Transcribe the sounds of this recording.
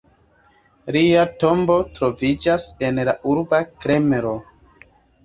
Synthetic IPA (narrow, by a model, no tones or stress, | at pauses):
liato̞mbo̞tɾo̞vid͡ʒase̞nlaʔuɾbakɾe̞meɾo̞